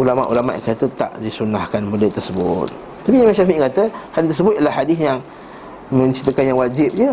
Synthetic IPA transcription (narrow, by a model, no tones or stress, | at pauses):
ulama̰ʔulama̰ʔkiat̪ət̪a̰ʔdisunahkanmudət̪ərsəbʊt̪̚ː | apijamaʃamiʔkat̪əhadɪist̪əsəbʊt̪ʔiəlahadɪsjaŋ | mə̃ɲt͡ʃit̪ːəkanjaŋwad͡ʒɪp̚d͡ʒə